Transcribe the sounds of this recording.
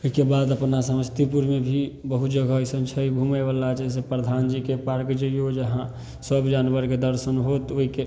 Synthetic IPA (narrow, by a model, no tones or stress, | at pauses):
oɦikebad̪əpnasəməst̪ipuɾmebʱibəɦut̪d͡ʒəɡʱəisənt͡ʃʰəibʱuməʋəlːat͡ʃəs̬epɾəd̪ʱand͡ʒikepaɾkd͡ʒəjod͡ʒəɦã | səbʱd͡ʒanbəɾked̪əɾsənɦot̪oɦike